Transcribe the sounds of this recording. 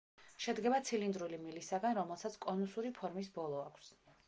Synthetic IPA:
ʃɛd̪ɡɛbat̪sʰilind̪ɾulimilisaɡanɾɔmɛlˠsat̪sʰkʼɔnusuɾipʰɔɾmis̬bɔlˠɔakʷʰs

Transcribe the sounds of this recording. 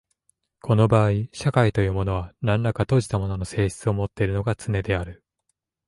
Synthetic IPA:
kʰo̞no̞baːiɕakait̪o̞jɯ̟ːmo̞no̞βanãnːakat̪o̞ʑi̥t̪amo̞no̞no̞se̞ːɕi̥t͡sɨo̞mo̞t̪ːe̞iɾɯ̟no̞ɡat͡sɨne̞d̪e̞aɾɯ̟

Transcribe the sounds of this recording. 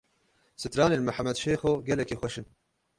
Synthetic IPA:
sɨt̪ɾɑːneːnmɨħamɛd̪ʃeːxoɡɛlɛkexʷɛʃɨn

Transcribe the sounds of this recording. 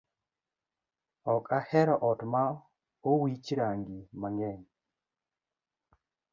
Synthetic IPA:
ɔkahɛɾɔʔɔtma | owit͡ʃɾaŋɡimaŋɡɛn

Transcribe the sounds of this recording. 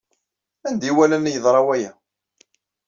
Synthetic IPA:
ænd̪iwælænːjəðˤɾˤɑwæjæ

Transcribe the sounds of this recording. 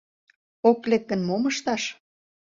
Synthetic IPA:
oklek̚ːə̆nmoməʃt̪ɑʃ

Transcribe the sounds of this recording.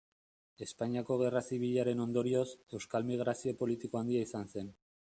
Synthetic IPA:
e̞spaɲiako̞ɣ̞e̞rasiβiʎaɾe̞no̞nd̪o̞ɾio̞se̞wskalmiɣ̞ɾasio̞po̞lit̪iko̞and̪iaisanse̞n

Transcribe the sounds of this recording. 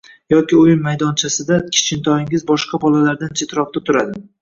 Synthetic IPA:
jɒkʲɪʊjɪmːajd̪ɒnt͡ʃʰasɪd̪akʲʰɪ̥t͡ʃʰɪnt̪ʰɒɪŋɪzbɒʃqabɒlalaɾd̪ant͡ʃʰet̪ʰɾɒf̚t̪at̪ʰʊɾad̪ɪ

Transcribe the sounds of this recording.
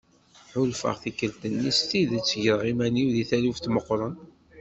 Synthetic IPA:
ħʊlfə̰ʁθikːəlt̪ənːist̪iðət͡sːʝəɾʁimæniwðiθæluft̪məqːɾˤən

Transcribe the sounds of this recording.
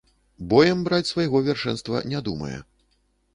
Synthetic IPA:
bɔjɛmbɾat͡sʲsvajɣɔvʲarʂɛnst̪vɐ̰nʲɛd̪umɐ̰jɛ̰

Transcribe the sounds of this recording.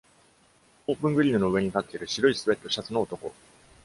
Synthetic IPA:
oːpɯ̟̃ŋɡɯ̟ɾʲiːnɯno̞ɯ̟βe̞ɲ̟it̪at̪ːe̞iɾɯ̟ɕiɾo̞isɨβe̞t̪ːo̞ɕat͡sɨno̞ːt̪o̞ko̞̰

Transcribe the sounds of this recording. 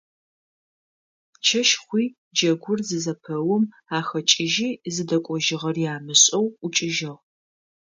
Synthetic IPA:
t͡ʃʰɐʃχʷiː | d͡ʒɐɡʷʊrzɨzɐpʰɐwʊm | aːxɐt͡ʃʼɪʒiːzɨdɐkʷʼɔʒɪʁɐrjaːmɨɕʼɐwut͡ʃʼɪʒɐʁ

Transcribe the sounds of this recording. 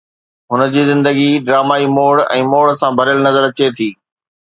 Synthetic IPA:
ɦʊnə̆d͡ʑiːzɪ̃nd̪əɡiɖɾaːmaːimoːɽɛ̃ːmoːɽsãbʱɐɾəlnɐzəɾɐt͡ɕet̪ʰiː

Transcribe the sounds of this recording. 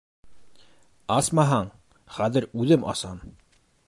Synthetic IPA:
ɑsmɑɦɑɴ | χæðɘɾʉðɘmɑ̰sɑn

